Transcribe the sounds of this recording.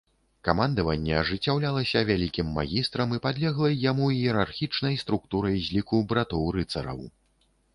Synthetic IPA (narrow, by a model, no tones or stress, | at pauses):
kamand̪ɐvɐnʲːɛɐʐɨt͡sʲːawlʲalˠɐsʲɐvʲalʲikʲimːa̰ɣʲist̪ɾɐmipad̪lʲɛɣlˠɐjamujɛɾarxʲit͡ʂnɐjst̪ɾuk̚t̪uɾɐjzʲlʲikubɾat̪ɔwɾɨt̪sɐ̰ɾɐ̰w